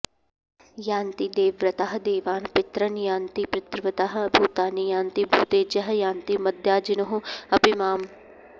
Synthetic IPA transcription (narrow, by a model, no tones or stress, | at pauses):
jaːnt̪id̪eːʋɾɐt̪aɦɐ̆d̪eːʋaːnpɪt̪ɾɐnjaːnt̪ipɾɪt̪ɾʋɐt̪aɦɐ̆ɐbʱuːt̪aːnijãːnt̪ibʱuːt̪eːd͡ʒɐɦɐjaːnt̪imɐd̪ʱjaːd͡ʒɪnɐɦuɐpɪmaːm